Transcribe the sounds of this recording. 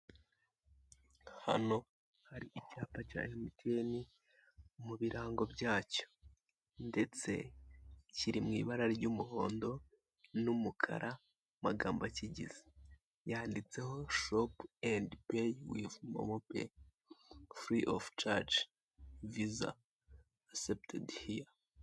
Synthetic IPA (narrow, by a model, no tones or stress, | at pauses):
ha̰no̞ | haɾiʔicaːpaca̰ːemitʰeːni | muβiɾaːŋɡo̞bɟaːco̞̥ | nde̞t͡se̞̰ | ciɾimŋiːβaɾaɾɟuːmuho̞ːndo̞ | numukʰa̰ɾʔa | maɡaːmbaciɟḭze̥ | jaːndit͡se̞ɦo̞ʃopendpejwivmo̰mopḛ | fɾiʔoft͡ʃaɾt͡ʃ | viza̰ː | septʰḛdhia